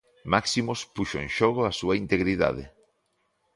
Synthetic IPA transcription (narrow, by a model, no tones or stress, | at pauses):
maksimospuʃoḛ̃ŋʃɔɣ̞oasuaint̪eɣɾiða̰ðḛ